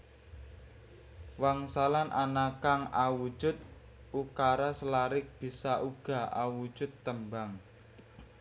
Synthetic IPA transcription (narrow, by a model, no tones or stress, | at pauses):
waŋsalanʔanakaŋawud̥ʒ̥ʊt̪̚ | ukaɾasəlaɾɪk̚b̥i̤saʔuɡ̥a̤ʔawu̥ʒ̥ʊt̪ːəmbaŋ